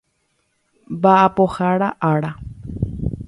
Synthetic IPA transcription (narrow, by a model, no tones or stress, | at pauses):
baʔapoxaɽaʔaɽa